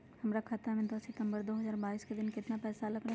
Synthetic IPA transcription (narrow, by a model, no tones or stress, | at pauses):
hɐmɾakʰat̪ɾamẽd̪osɪʈ̪ə̃mbəɾd̪oːɦɐzaːɾbaːiːsked̪ɪnkɪt̪napɛːsalɐɡɾa